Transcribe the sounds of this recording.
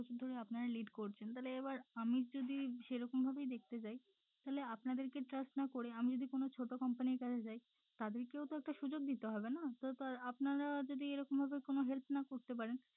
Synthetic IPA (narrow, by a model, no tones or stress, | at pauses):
ot͡ɕʰud̪ʱoɾeapnaɾaliɖkoɾt͡ɕʰent̪aɦeleebaɾamid͡ʑod̪iʃeɾɔkombʱabejd̪ek̚ʰt̪et͡ɕaj | t̪aɦeleapnad̪eɾkeʈɾasʈnakoɾeamid͡ʑod̪ikonot͡ɕʰoʈokɔmpaniɾkat͡ɕʰet͡ɕaj | t̪ad̪eɾkewt̪oɛk̚ʈaʃud͡ʑoɡ̚d̪it̪eɦɔbenat̪ot̪aapnaɾad͡ʑod̪ieɾɔkombʱabekonoɦelp̪̚ʰnakoɾt̪ep̬aɾen